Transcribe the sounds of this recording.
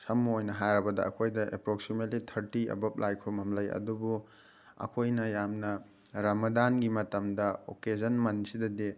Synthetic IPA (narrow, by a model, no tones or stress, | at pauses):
sɐmːɐojnɐɦajɾɐbɐdɐ̰ɐ̰kʰojdɐʔepɾoksimetlitʰɐɾtiɐ̰bɐp̚lʔajkʰɾumɦɐmlɐjɐ̰dubu | ɐ̰kʰojnɐjamnɐ | ɾɐmɐdanɡimɐtɐmdɐo̰ked͡ʒɐnmɐnsidɐde